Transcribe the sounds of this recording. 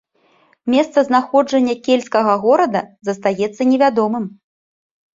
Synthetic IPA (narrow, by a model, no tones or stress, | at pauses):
mʲɛst̪sɐznaxɔd͡ʐɐnʲːɐkʲelʲskɐɣɐɣɔɾɐd̪ɐzɐst̪ajɛt̪sːɐnʲɛvʲad̪ɔmɨm